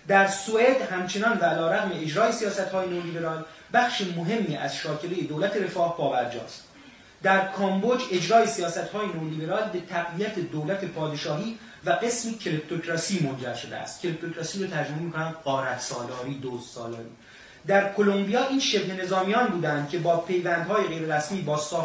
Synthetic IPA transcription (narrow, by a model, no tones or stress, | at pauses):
d̪æɾsued̪hæmt͡ʃʰe̞nɒːnvæːlɒːɾæɣmeed͡ʒɾɒːje̞sijɒːsæt̪hɒːjenoːliːbe̞ɾɒːl | bæxʃimoɦe̞mːiːʔæ̰z̥ʃɒːcʰe̞lejed̪owlæt̪ʰe̞ɾe̞fɒːhpʰɒːbæɾd͡ʒɒ̰ːst̪ | d̪æɾkʰɒːmbod͡ʒe̞d͡ʒɾɒːje̞sijɒːsæt̪hɒːjenoːlibe̞ɾɒːlbe̞t̪ʰæɣviæt̪ʰed̪owlæt̪ʰe̞pʰɒːd̪e̞ʃɒːɦiː | væɡe̞smicʰeɾep̚t̪ʰokɾɒsiːmond͡ʒæɾʃo̞d̪ḛæ̰st̪̚cʰʲeɾep̚t̪okɾɒsiːɾot̪ʰæd͡ʒɾoemiːkʰonænɢɒːɾæt̪sɒːlɒːɾiːd̪oːzsɒːlɒ̰ːɾḭː | d̪æɾkʰolombijɒːʔiːnʃe̞bhe̞ne̞zɒːmijɒːnbuːd̪ænd̪̚cʲʰe̞bɒːpʰe̞jvænd̪ɦɒːje̞ɣejɾeɾæsmiːbɒːsɒː